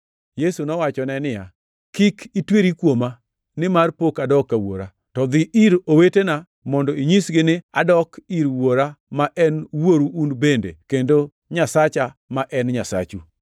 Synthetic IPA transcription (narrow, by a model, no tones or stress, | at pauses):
jesunɔwat͡ʃɔnɛnɪja | kikʰitweɾikwoma | nɪmarpokadɔkːawo̰ɾa | tɔd̪ɪʔiɾowetena | mɔndɔiɲisɡɪnɪa̰dɔkiɾwoɾamaʔɛnwoɾuʔunbendḛkendo | ɲasat͡ʃamaʔɛnɲasa̰t͡ʃu